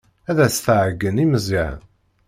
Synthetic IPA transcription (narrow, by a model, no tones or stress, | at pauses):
æðæsθʕəɡːəniməziʕ̰